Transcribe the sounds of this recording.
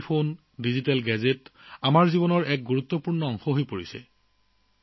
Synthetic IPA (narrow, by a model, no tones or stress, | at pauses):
pʰon | dizitalɡɛzetamaɹzibɔnɔɹɛk̚ɡuɹut̪ːɔpuɹnɔɔŋxɔɦojpoɹisɛ̰